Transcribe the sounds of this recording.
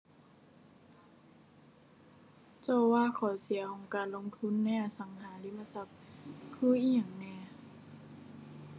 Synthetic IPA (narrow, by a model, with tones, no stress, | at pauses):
t͡ɕɔː˧˩waː˧˨kʰɔː˨˩˦si˨˩˦ɐkʰɔː˨˩˦ŋkaː˨nlo˧ŋt̪ʰu˧˥˨nːa˧jʔa˧sa˨˦ŋɦaː˩˦li˧˨mːa˧˨sa˧˩p̚kʰɯː˧˩˨ʔiː˧˩ɲaː˨˩ŋnɛː˧˩˨